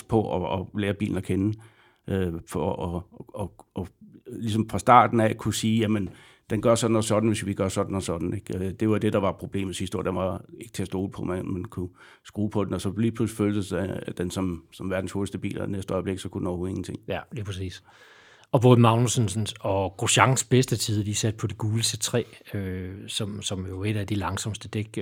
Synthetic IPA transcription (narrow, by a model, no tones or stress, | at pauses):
pʰɒ̽ʔɒ̽ɒleːɐb̥ḭːln̩ækʰen | ʔøfɒʔɒɒlis̬ɒ̽mfʁɑ̈sd̥ɑ̰̈ːd̥n̩ækʰusiːjæmən | d̥enɡ̥ɶɐsɒ̽d̥n̩ɒsɒ̽d̥n̩ʋe̝sʋiɡ̥ɶɐsɒ̽d̥n̩ɒsɒ̽d̥n̩e̝ɡ̥d̥e̝ʋɑd̥e̝d̥ɑ̈ʋɑ̈pʰʁo̝b̥le̝̰ːmð̩ˠshisd̥o̝ɐ̰jɐʋɑ̈e̝ɡ̥t͡sʰe̝ɐsd̥o̝̰ːl̩ˠpʰɒ̽menmenkʰu | sɡ̥ʁuːpʰɒ̽d̥enɒ̽sɒ̽liːpʰlusl̥føːld̥əsd̥ensɒ̽msɒ̽mʋæɐd̥n̩shoːlsd̥əb̥ḭːlɐ̰nesd̥əɒ̽ɪble̝ɡ̥sɒ̽kʰud̥n̩ɒʊo̝ðˠeŋn̩t͡sʰe̝ŋ̰liːpʰʁɛsḭːs | ɒ̽b̥ɔ̽ːð̩ˠmɑ̈ʊnusn̩sn̩sɒ̽ɡ̥ʁoɕɑ̈ŋsb̥esd̥ət͡sʰiðˠd̥isæd̥̚pʰɒ̽d̥iɡ̥uːləset͡sʰʁɛ̰ːøsɒ̽msɒ̽mjoe̝ɾ̥æd̥ilɑ̈ŋsɒ̽msd̥əd̥eɡ̥